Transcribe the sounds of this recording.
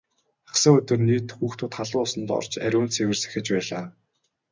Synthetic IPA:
aχsə̆ŋɵt̪ɵ̆rniːt̪xuːxt̪uːt̪χaɮʊːsə̆nt̪ɔ̰rt͡ɕæ̰ɾʲʊːnt͡sʰewɘ̆rsæ̥xʲɪ̆t͡ɕpæːɮaː

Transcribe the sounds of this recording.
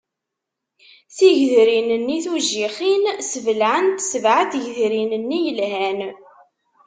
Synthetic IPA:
θiʝðɾinənːiθuʒːiχinsəvəlʕənt̪səvʕaθʝðɾinənːijəlɦæn

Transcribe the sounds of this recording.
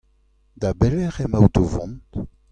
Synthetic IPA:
d̪abɛlɛʁemawt̪ovɔ̰̃nt

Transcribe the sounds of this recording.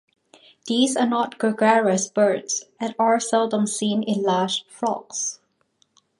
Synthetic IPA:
d̪̥iːzanɔtɡ̥əɡɛɹəsb̥ɜɹdsɛ̃naɹsɛldə̃msĩnɪ̃nlad͡ʒfɹɔ̰ks

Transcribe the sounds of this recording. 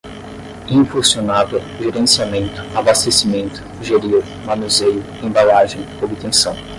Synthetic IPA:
ĩfuɾsionavɛ | ʒeɾẽsiamẽnt̪ʊ̥abast̪esimẽnt̪ʊ̥ʒeɾiw | manuzejʊ | ẽbalaʒẽj̃obit̪ẽsɐ̃w̃

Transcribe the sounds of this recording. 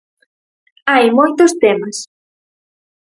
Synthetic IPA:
ajmojt̪ʊst̪emɐs

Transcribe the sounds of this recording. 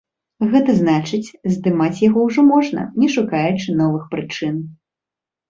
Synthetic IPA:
ɣɛt̪ɐznat͡ʂɨt͡sʲzd̪ɨmat͡sʲjaɣɔwʐɔmɔʐnɐ̰nʲɛʂukajut͡ʂɨnɔvɨxpɾɨt͡ʂɨn

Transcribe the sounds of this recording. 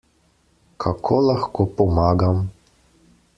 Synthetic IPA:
kʰakʰɔlaxkɔpɔmaɡam

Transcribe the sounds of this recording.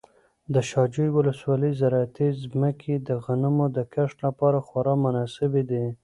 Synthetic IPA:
d̪əʃɑd͡ʒujwʊləswɑləzaɾɑat̪izməkʰed̪əɣanəmod̪əkaʂʈ̪lapɑɾaxwaɾɑmʊnɑsɪbed̪e

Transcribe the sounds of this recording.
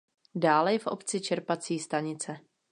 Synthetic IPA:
daːlɛjɛfʔo̞̰pt͡sɪt͡ʃɛɾpat͡siːst̪aɲɪt͡sɛ

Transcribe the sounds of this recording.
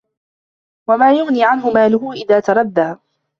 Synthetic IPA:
wamaːjʊɣniːʕanɦʊmaːlʊɦʊʔɪðaːt̪ɑɾˤɑd̪ːaː

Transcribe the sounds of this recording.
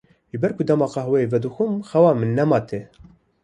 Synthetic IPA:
ʒɨbɛɾkʰud̪ɛmɑːqɑhwɛevɛd̪ɨxumxɛwɑːmɨnːɛmɑːt̪ʰe

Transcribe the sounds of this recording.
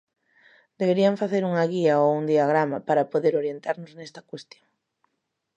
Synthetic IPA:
d̪̥eβ̞eɾiɐɱfaθeɾuŋɐɣiɐouŋd̪iaɣɾamɐpaɾɐpoðeɾoɾjent̪aɾnʊznest̪ɐkwest̪joŋ

